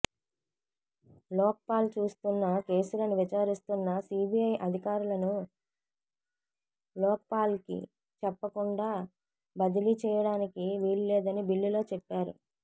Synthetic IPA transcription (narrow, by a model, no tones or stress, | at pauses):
lɔːk̚paːlt͡ʃuːst̪unːɐke̞ːsulɐnuʋit͡ʃaːɾist̪unːɐsiːbiɐjʔɐd̪ʱikaːɾulɐnu | lɔːk̚paːlkḭ | t͡ʃɛpːɐkuɳɖaː | bɐd̪ilit͡ʃɛːjɐɽaːnikiʋiːɾlɛːd̪ɐnibilːilo̞ːt͡ʃɛpːaːɾṵ